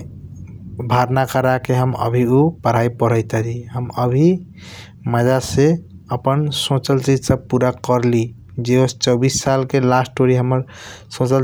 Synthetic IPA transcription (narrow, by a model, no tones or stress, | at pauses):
bʱaɾnakəɾakeɦəmə̰bʱiupəɾ̤ajpəɾəjt̪əɾiɦəməbʱi | məd͡ʒase | əpənsõt͡ʃəlt͡ʃid͡ʒsəb̚puɾakəɾli | d͡ʒeost͡ʃəbisːalkelasʈʈoɾiɦəmːəɾ | sõt͡ʃəl